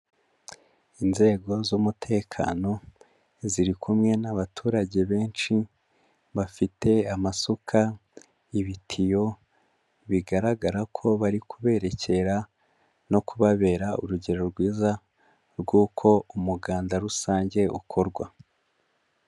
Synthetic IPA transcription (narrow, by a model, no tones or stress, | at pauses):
inze̞ːɡo̞zumutʰe̞ːkʰa̰ːno̞ | ziɾikʰumŋe̞naβatʰuːɾaɟe̞βe̞ːnt͡ʃi | βafitʰe̞amasukʰa | iβitʰijo̞ | βiɡaɾaɡaɾakʰo̞βaɾikuβe̞ːɾe̞ce̞ɾa | no̞kuβaβe̞ːɾaṵɾuɟe̞ɾo̞ɾɡwiːza | ɾɡuːkʰo̞umuɡaːndaɾusaːɲɟe̞ʔṵkʰo̞ɾɡwa